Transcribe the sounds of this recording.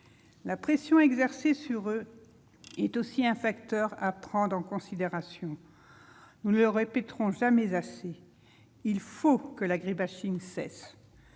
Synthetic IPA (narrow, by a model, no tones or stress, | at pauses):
lapχesjɔ̃ɛɡzɛʁsesyʁø | ɛt̪osiɛ̃fakt̪œʁapχɑ̃d̪ʁɑ̃kɔ̃sid̪eʁasjɔ̃ | nuləʁepɛt̪ʁɔ̃ʒamɛzase | ilfokəlaɡʁibaʃiŋsɛs